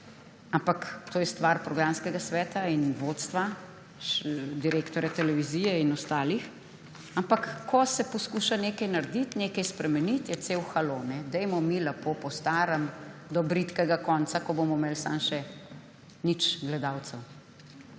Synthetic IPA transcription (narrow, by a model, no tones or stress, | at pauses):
ampakt̪oːjɛst̪ʋaɾpɾɔɡɾamskɛɡasʋɛːt̪ainʋot̪st̪ʋa | d̪iɾeːkt̪ɔɾjat̪ɛlɛʋizijɛinɔst̪aːlix | ampakːʰɔsɛpɔskuʃanekɐjnaɾd̪it̪neːkɐjspɾɛmɛnit̪jɛt̪seːwxalonɛd̪ɛjmɔmilɛpopɔst̪aːɾəmd̪ɔbɾit̪kɛɡakɔnt̪sakɔbomɔmeːlsa̰mʃɛ | nit͡ʃɡlɛd̪aːwt̪səw